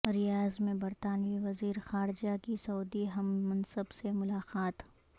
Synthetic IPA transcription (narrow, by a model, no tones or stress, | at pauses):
ɾɪjaːzmẽbɐɾt̪aːnʋiʋɐziːɾxaːɾd͡ʒakisɐːd̪iɦɐmːɐ̃nsəbsemʊlaːqaːt̪